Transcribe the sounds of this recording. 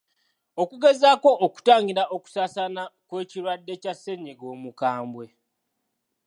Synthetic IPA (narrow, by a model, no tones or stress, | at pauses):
o̞kuɡe̞zaːko̞ːku̥taːɲɟiɾao̞ku̥saːsanakwe̞ːciɾwadːe̞casːe̞ɲeɡo̞ːmukaːmbwe̞